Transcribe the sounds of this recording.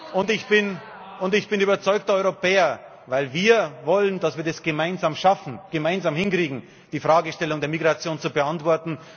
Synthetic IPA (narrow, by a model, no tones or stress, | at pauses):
ʔʊntɪçb̥ɪn | ʊntɪçb̥ɪnyːbɐt͡sɔʏk̚tɐɔʏʁopɛːɐ | vaɪlviːɐvɔləndasv̥iːɐdɛsɡ̥əmaɪnzaːmʃafn̩ɡ̥əmaɪnzaːmhɪnkʁ̥iːɡŋ̩ | d̥iːfʁaːɡəʃtɛlʊŋdeːɐmiɡʁat͡sjoːnt͡subəantv̥ɔɐtn̩